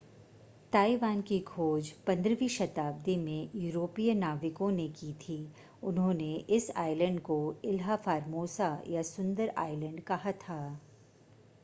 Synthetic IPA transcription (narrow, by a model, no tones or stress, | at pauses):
t̪aːiʋaːnkiɡʰʱoːd͡ʒpɐ̃nd̪ɾəʋiʃɐt̪aːb̚d̪imẽjuːɾoːpijənaːʋɪkõnekiːt̪ʰiː | ʊnɦõːneʔɪsa̰ːɪlə̃ɳɖkoɪlɦafaːɾmoːsajasʊ̃nd̪əɾa̰ːɪlə̃ɳɖkɐɦat̪ʰaː